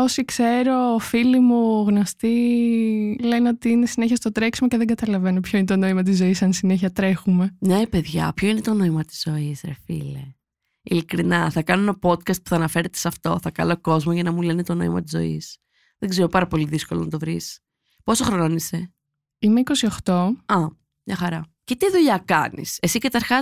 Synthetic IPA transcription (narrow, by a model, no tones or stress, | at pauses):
osikse̞ɾo̞ːfilimuɣno̞st̪i | le̞neot̪iinesineçiɐst̪o̞t̪ɾeksumoceðeŋɡɐt̪ɐlɐve̞nopçoinet̪o̞no̞imɐt̪̬izːo̞isɐnsine̞çiɐt̪ɾe̞xume̞nepe̞ðʝɐ̰pço̞ine̞t̪o̞no̞imɐt̪i̥z̥o̞isɾḛfḭlḛ | ilikɾinɐθɐkɐnoenopo̞d̪̚kɐst̪pu̥θɐːnɐfe̞ɾet̪esɐft̪o̞θɐkɐ̰loko̞zmoʝɐnɐmulenet̪o̞no̞imɐ̰t̪izo̞̰ḭs | ðeɡzeɾopɐɾɐpo̞liðiskolonɐt̪o̞vɾis | po̞soxɾononise | ime̞iko̞sioxt̪o̞ɐ | mɲɐxɐɾɐce̞t̪iðuʎɐkɐnḭse̞sikɐt̪ɐɾxɐ